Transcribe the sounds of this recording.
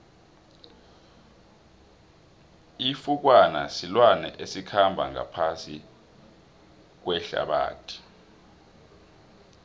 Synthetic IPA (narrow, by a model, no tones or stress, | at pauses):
ifuk̬wanasilwanɛ̰ʔesikʰambʱa̰ŋa̰pʰasi | k̬wɛɬa̰ɓa̰ːtʰi̥